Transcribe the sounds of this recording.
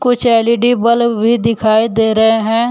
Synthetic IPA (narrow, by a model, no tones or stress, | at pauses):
kʊt͡ʃʰɛːlɪɖibəlbʱid̪ɪkʰaːid̪eːɾɐɦeɦɛ̃ː